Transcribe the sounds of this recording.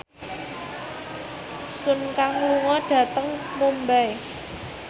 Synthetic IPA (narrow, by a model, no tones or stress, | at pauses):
sʊnkaŋwuŋɔɖ̥ä̤t̪əŋmombɛj